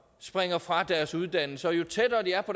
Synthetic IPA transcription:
sb̥ʁeŋɐfʁɑ̈d̥æɐsuð̞ˠd̥æn̰l̩səɒ̽jo̝t͡sʰedɐːd̥iæɐpʰɒ̽

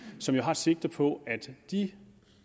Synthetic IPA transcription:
sɒ̽mjo̝ɦɑ̈se̝ɡ̥̚d̥ɐpʰɒ̽ʔæd̥d̥i

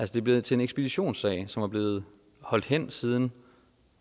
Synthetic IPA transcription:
ʔælsəd̥e̝b̥le̝ð̩ˠt͡sʰe̝eneɡsb̥e̝d̥iɕo̝̰ːnsɛ̰ɪsɒ̽mʋɑ̈b̥le̝ːð̞̩ˠ | hɒ̽l̰d̥hen̰siːð̞ˠn̩

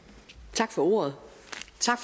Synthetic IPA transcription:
t͡sʰɑ̈ɡ̥fɒ̽o̝̰ːɐð̩ˠ | t͡sʰɑ̈ɡ̥f

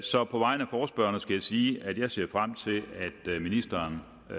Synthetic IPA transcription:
sɒ̽pʰɒ̽ʋɑ̈ɪ̰nəæfɒːsb̥ɶɐnəsɡ̥æjɑ̈ɪsiːæd̥jɑ̈ɪse̝ɐ̰fʁam̰t͡sʰe̝læd̥minisd̥ɐn

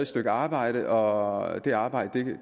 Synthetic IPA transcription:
sd̥øɡ̥əɑ̈ːb̥ɑ̈ɪ̰ɾ̥əʔɒd̥e̝ɑ̈ːb̥ɑ̈ɪd̥əd̥e

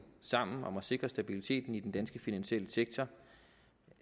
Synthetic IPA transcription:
sɑ̈m̰n̩ɒ̽mæse̝ɡ̥ʁɐsd̥æb̥ilit͡sʰe̝̰ːd̥n̩id̥end̥ænsɡ̥əfinænɕiel̰əseɡ̥̚t͡sʰɒ

